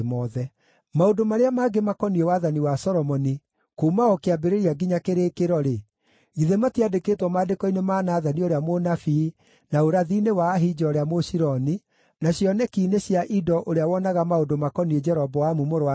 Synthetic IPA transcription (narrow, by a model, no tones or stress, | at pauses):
mɔðɛ | maodomaɾeamaɡemakɔniewaðaniwasɔɾɔmɔni | komaɔkeabeɾeɾiaɡiɲakeɾekeɾɔɾe | ɣiðematiadeketwɔmaːdekɔinemaːnaːðanioɾeamonafi | naoɾaðiːnewaːɦid͡ʒɔːɾeamoɕiɾɔni | naɕjɔnɛkiːneɕjaʔidɔʔoɾeawɔnaɣamaodomakɔnied͡ʒɛɾɔbɔwamumoɾoa